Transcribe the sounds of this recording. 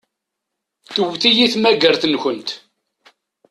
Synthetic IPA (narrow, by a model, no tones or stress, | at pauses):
θəwθijiθmæɡəɾθnçənt̪